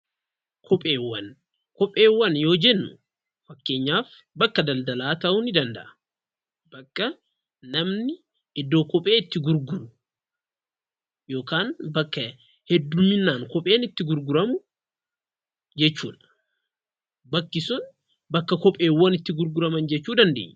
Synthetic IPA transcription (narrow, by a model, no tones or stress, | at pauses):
kʰɔpʼeːwːɐn | kɔpʼːe̞ːwːɐnjo̞ːd͡ʒɛnːʊ | fɐkːe̞ːɲːaːf | bɐkːɐd̪ɐld̪ɐlaːt̪ɐʔʊnɪd̪ɐnd̪ɐ̰ʔɐ̥ | b̥ɐkːɐ | nɐmnɪ | ɪd̪ːo̞ːkɔpʼe̞ːɪt̪ːɪɡʊɾɡʊɾʊ | jo̞ːkaːnbɐkːɐ | hɛd̪ːʊmɪnːaːŋkɔpʼe̞ːnɪt̪ːɪɡʊɾɡʊɾɐmʊ | d͡ʒɛt͡ʃːṵːᶑ̪ɐ̥ | bɐkːɪsʊn | bɐkːɐkɔpʼe̞ːwːɐnɪt̪ːɪɡʊɾɡʊɾɐmɐnd͡ʒɛt͡ʃːuːd̪ɐnd̪e̞̰ːɲː